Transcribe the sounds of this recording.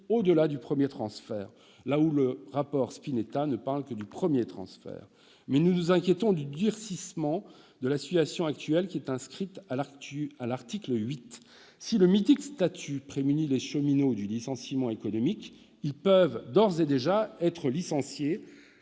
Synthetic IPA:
od̪əlad̪ypχəmjet̪χɑ̃sfɛ̰ːʁ | lauləʁapɔʁspinet̪anəpaʁlkəd̪ypχəmjet̪χɑ̰̃sfɛ̰ːʁ | mɛnunuzɛ̃kʲjet̪ɔ̃d̪yd̪yʁsismɑ̃ | d̪əlasit̪yasjɔ̃akt̪ɥɛlkʲiɛt̪ɛ̃skχit̪aaalaʁt̪iklɥit̪ | siləmit̪ikst̪at̪ʰypχemynileʃəminod̪ylisɑ̃simɑ̃ekɔnɔmikʲ | ilpœvd̪ɔʁzed̪eʒaɛt̪χəlisɑ̃sje

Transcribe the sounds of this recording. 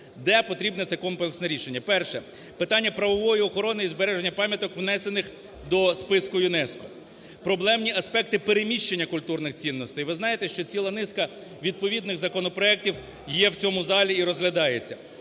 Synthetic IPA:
d̪ɛpɔt̪ɾʲibnɛt̪sɛkɔmplensnɛɾʲiʃe̞nʲːɐpɛrʃɛ | pɪt̪ɑnʲːɐpɾɐʋɔʋɔjiɔxɔɾɔnɪizbeɾɛʒenʲːɐpɑmʲjɐt̪ɔkʋnɛse̞nɪx | d̪ɔspɪskʊjʊnɛskɔ | pɾɔblˠɛmnʲiɐspɛk̚t̪ɪpeɾemʲiʃt͡ʃenʲːɐkʊlʲt̪urnɪxt͡sʲinːɔst̪ɪjʋɪznɑjet̪ɛʃt͡ʃɔt͡sʲilˠɐnɪskɐ | ʋʲid̪̚pɔʋʲid̪nɪɣzɐkɔnɔpɾɔɛk̚tʲiw | jjɛwt͡sʲɔmʊzɑlʲiiɾɔzɦlʲɐd̪ɑjet͡sʲːɐ

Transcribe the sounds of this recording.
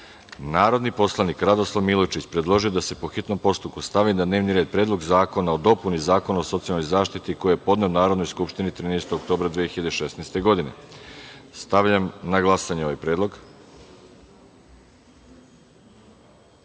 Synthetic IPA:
naːɾo̞d̪nipo̞slˠanikɾad̪o̞slˠaʋmilˠot͡ʃit͡ɕpɾed̪lˠo̞ʒijo̞d̪ase̞po̞xit̪no̞mpo̞st̪upkust̪aʋinad̪ne̞ːʋniɾeːd̪̚pɾeːd̪lˠo̞ɡzaːko̞nao̞d̪o̞punizaːko̞naosot̪sijalno̞jzaːʃt̪it̪iko̞jiepo̞d̪neonaːɾo̞d̪no̞jskupʃt̪init̪ɾinejst̪oɡok̚t̪o̞ːbɾad̪ʋijexiʎad̪eʃesnejst̪e̞ɡo̞d̪ine̞̰ | st̪aʋʎamnaɡlˠasaɲeo̞ʋajpɾeːd̪lˠo̞ɡ

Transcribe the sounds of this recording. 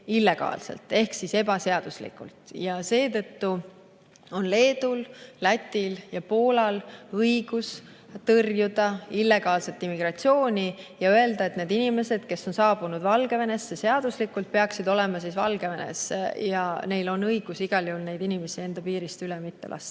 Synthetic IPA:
ilːe̞ɡ̥ɑ̰ːlsḛlt̪ːˑe̞hksise̞bɑse̞ɑd̪̥uslḭkṵlt̪ˑjɑse̞ːt̪ɤ̞t̪ːu | o̞nle̞ːd̪ullæt̪ʲːˑiljɑpo̞ːlɑlɤjɡ̥us | t̪ɤrjud̪̥ɑilːe̞ɡ̥ɑːlse̞t̪ːˑimːiɡ̥rɑt̪sio̞ːnʲijɑøe̞ld̪ɑet̪ne̞ːd̪̥inime̞se̞d̪̥ke̞sːo̞nsɑːb̥unud̪vɑlɡ̥e̞ve̞ne̞sːese̞ɑd̪̥uslikːult̪̚pe̞ɑksid̪o̞le̞mɑsisvɑ̰lɡe̞ve̞nḛsːḛjɑne̞jlo̞nɤjɡ̥usiɡ̥ɑljeulnejd̪̥inime̞sie̞nd̪̥ɑpiːɾist̪ylemit̪ːe̞lɑ̰st̪

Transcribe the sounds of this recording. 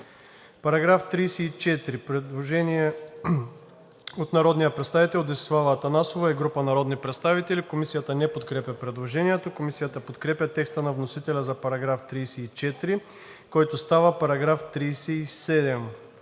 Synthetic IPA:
pɐɾɐɡɾaft̪ɾijsɛit͡ʃɛt̪ɾipɾɛd̪lˠoʒɛniɛ | ot̪nɐɾɔd̪nijəpɾɛt̪st̪avit̪ɛlˠd̪ɛsslˠavət̪ɐnasovaɛɡɾupənɐɾɔd̪nipɾɛt̪st̪avit̪ɛlikomisijət̪ənɛpot̪kɾɛpʲɐpɾɛd̪lˠoʒɛniɛt̪okomisijət̪əpot̪kɾɛpʲɐt̪ɛkst̪ənɐvnosit̪ɛlʲɐzɐpɐɾɐɡɾaft̪ɾijsɛit͡ʃɛt̪ɾi | kɔjt̪ost̪avəpɐɾɐɡɾaft̪ɾijsɛisɛd̪ɛm

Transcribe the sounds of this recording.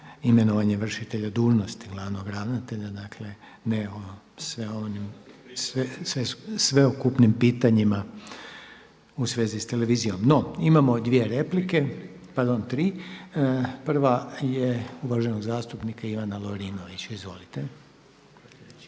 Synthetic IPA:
ime̞noʋaɲeʋr̩ʃit̪e̞ʎad̪uːʒno̞st̪iɡlˠaʋno̞ɡɾaʋnat̪e̞ʎad̪akʰle̞ | neo | sʋeonimsʋesʋesʋeokupnimpiːt̪aɲima | usʋe̞ːzist̪e̞le̞ʋiːzijo̞mno̞imamo̞d̪ʋie̞ɾe̞plike̞ | paɾd̪o̞nt̪ɾiː | pr̩ʋajeuʋaʒe̞no̞ɡzaːst̪upnikaiʋanaloɾiːno̞ʋit͡ɕaizʋo̞̰lit̪e

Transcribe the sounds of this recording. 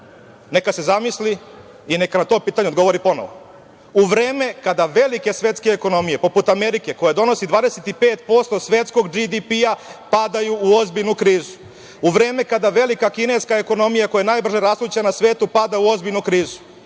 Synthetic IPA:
nekase̞zamisli | inekanat̪o̞ːpiːt̪aɲeod̪ɡo̞ʋo̞ɾipo̞noʋo | uʋɾeːme̞kad̪aʋe̞like̞sʋe̞t̪ske̞ːko̞no̞mije̞po̞put̪ameɾike̞ko̞jed̪o̞no̞sid̪ʋaːd̪eset̪ipeːt̪po̞st̪o̞sʋet̪sko̞ɡd͡ʒid̪ipiapad̪ajuːo̞zbiʎnukɾiːzu | uʋɾe̞ːme̞kad̪aʋe̞likakine̞skaeko̞nomijakojenaːjbr̩ʒeɾaslˠut͡ɕanasʋe̞ːt̪upad̪auo̞zbiʎnukɾiːzu̥

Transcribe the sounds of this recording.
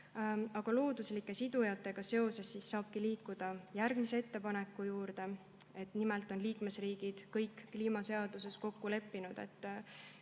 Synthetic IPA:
ɑɡ̥ɑlo̞ːd̪uslikːˑe̞sid̪̥ujɑt̪ːˑe̞ɡ̥ɑse̞o̞se̞sːisːɑːb̥̚kiliːkːud̪̥ɑjærɡ̥mise̞et̪ːe̞pɑne̞kːˑujuːɾd̪̥e̞ | e̞t̪ˑnimɛlt̪ːˑo̞nliːkme̞sriːɡ̥id̪̥kɤjkːliːmɑse̞ɑd̪̥use̞sko̞kːule̞pːinud̪̥e̞̰t̪ː

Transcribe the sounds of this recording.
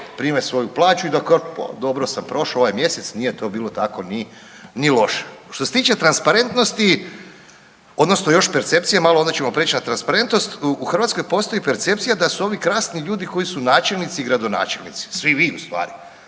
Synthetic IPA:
pɾimesʋo̞juplˠaːt͡ʃuid̪akopa̰d̪o̞bɾo̞sampɾo̞ʃaoʋajmje̞set̪snije̞t̪o̞biːlˠo̞t̪ako̞ni | nilˠo̞ʃe̥ʃt̪ose̞t̪iːt͡ʃe̞t̪ɾanspaɾe̞nt̪no̞st̪i | od̪no̞snojo̞ʃpeɾt̪se̞p̚t̪sijamaloond̪at͡ɕemopɾeːt͡ʃnat̪ɾanspaɾe̞nt̪no̞st̪uxr̩ʋat̪ko̞jpo̞ːst̪o̞jipe̞ɾt̪se̞p̚t̪sijad̪asuo̞ʋikɾaːsniʎuːd̪iko̞jisunaːt͡ʃe̞lnit̪siːɡɾad̪o̞na̰ːt͡ʃelˠnḭt̪si̥sʋiʋiust̪ʋa̰ːɾi

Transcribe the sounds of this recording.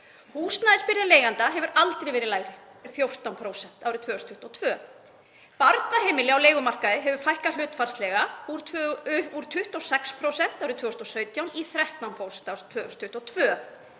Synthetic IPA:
huːsnaðɪspɪɾðaleːjɣant̪aɦɛvʏɾʔalt̪ɾejvɛːɾɪlaːjɾɪ | ɪfjowr̥t̪awnpʰɾoːwsɛn̥t̪aːwɾɪt̪ʰvœːst̪ʰʏ̥ht̪ɔwt̪ʰvœ | paɾt̪naɦeːjmɪlɪawleːjɣʏmar̥kaðɪɦɛvʏfajhkalʏːt̪faɾ̥st̪lɛɣauɾ | uɾ̥t̪ʰʏht̪ɔwsɛkspʰɾowsɛn̥t̪awɾɪt̪ʰvœːʏst̪ɔsœːɥt̪jawniθɾɛht̪awnpʰɾowsɛnt̪awɾt̪ʰvœːst̪ʰʏht̪ɔwt̪ʰvœː

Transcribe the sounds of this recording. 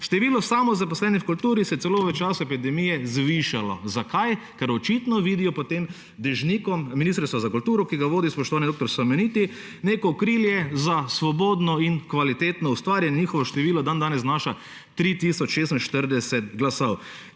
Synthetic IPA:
ʃt̪ɛʋiːlɔsamɔzapɔslɛːnɛfkult̪uːɾisɛjtsɛloːʋɛt͡ʃaːsʊɛpid̪ɛmiːjɛzʋiʃalɔ̰zakaj | kɛɾɔt͡ʃit̪nɔʋiːd̪ijɔpɔt̪em | d̪ɛʒniːkɔmːinist̪ɾst̪ʋazakult̪uːɾɔkiɡaʋoːd̪ispɔʃt̪ɔʋaːnid̪okt̪ɔɾsɐmɛniːt̪i | neːkɔːkɾiljɛzasʋɔboːd̪nɔinkʋalit̪eːt̪nɔust̪ʋaːɾjɛnɛɲixɔʋɔʃt̪ɛʋiːlɔd̪and̪aːnɛznaːʃa | t̪ɾit̪iːsɔt͡ʃʃeːst̪nʃt̪əɾd̪ɛsɛt̪ɡlasaw

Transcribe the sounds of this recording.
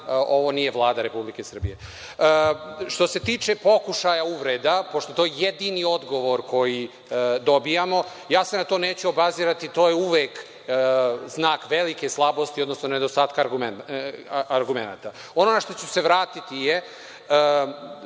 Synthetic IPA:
o̞ʋo̞nijeʋlˠaːd̪aɾe̞publikesr̩bije̞ | ʃt̪o̞se̞t̪iːt͡ʃe̞po̞kuʃajauʋɾed̪apoʃt̪ot̪ojejed̪inio̞d̪ɡo̞ʋo̞ɾko̞ji | d̪o̞bijamo | jaːsenat̪o̞ːneːt͡ɕuobaziːɾat̪it̪o̞ːjeuʋeːk | znaːkʋelike̞slˠabo̞st̪iod̪nosnoned̪ost̪aːt̪kaɾɡum | aɾɡumena̰ːt̪a | o̞nonaʃt̪o̞t͡ɕuse̞ʋɾaːt̪it̪ije

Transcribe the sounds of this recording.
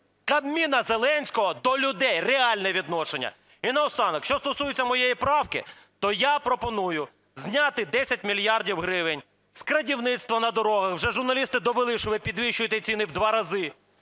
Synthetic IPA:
kɐbmʲinɐzelˠɛnʲsʲkɔɦɔd̪ɔlʲʊd̪ɛjreɑlʲnɛʋʲid̪nɔʃenʲːɐ̰ | inɐɔst̪ɑnɐkʃt͡ʃɔst̪ɔsujɪt͡sʲːɐmɔjejipɾɑwkɪ̰t̪ɔjapɾɔpɔnujʊ | zʲnʲat̪ɪd̪ɛsʲɐt̚ʲmʲilʲjɑrdʲiwɦɾɪʋɪnʲ | skɾɐdʲiwnɪt̪st̪ʋɔnɐd̪ɔɾɔɦɐxwʒɛʒʊrnɐlʲist̪ɪd̪ɔʋelˠɪʃʊʋɪpʲid̪ʋʲiʃt͡ʃʊjɪt̪ɛt͡sʲinɪwd̪ʋɑɾɐzɪ

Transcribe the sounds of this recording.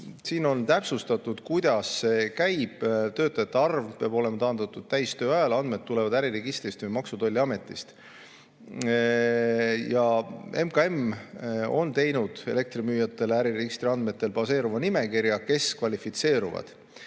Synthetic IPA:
siːno̞nt̪æpsust̪ɑt̪ːˑud̪̥kujd̪̥ɑsːe̞kæjb̥t̪ø̞ːt̪ːˑɑjɑt̪ːˑeɑrvpeɑbo̞le̞mɑt̪ɑːnd̪ɑt̪ːˑud̪̥̚t̪æjst̪øːɑjɑlɑnd̪̥me̞d̪̥̚t̪ːule̞vɑd̪æɾireɡist̪rist̪vejmɑksud̪o̞lʲːiɑme̞t̪ːˑist̪ | jɑe̞mkɑe̞m | o̞nt̪e̞jnud̪̥e̞̰le̞k̚t̪rimyːjɑt̪ːˑe̞læɾiɾeɡist̪ɾiɑnd̪me̞t̪ːˑe̞lpɑse̞ːɾuvɑnime̞kiɾjɑke̞skvɑlʲifit̪se̞ːɾuvɑ̰d̪̥

